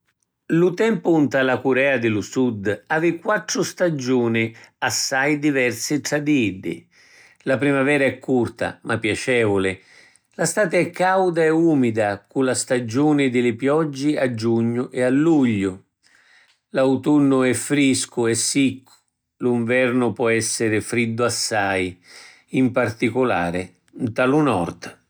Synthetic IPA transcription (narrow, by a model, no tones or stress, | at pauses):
lut̪ɛmpʊunt̪alakuɾɛːad̪ɪlusud̪aːvɪkːwat̪ːɾʊst̪ad͡ʒuːnɪasːajd̪ivɛrsɪt̪ɾad̪iidːɪ̰ | lapɾimavɛːɾaɛkʰːurt̪a̰mʔapːjat͡ʃɛːvʊlɪ | last̪aːt̪ɪɛkːawd̪aɛumid̪akulast̪ad͡ʒuːnɪd̪ɪlɪpjɔd͡ʒːɪad͡ʒːuɲːʊʔɛalːuʎːʊ | lawt̪unːʊɛfːɾiskʊɛsːikʰːʊ̥ | liɱvɛrnʊpwɔɛsːɪɾɪfɾid̪ːʊasːaj | impart̪ikʊla̰ːɾɪ | nt̪alʊnɔ̰rt̪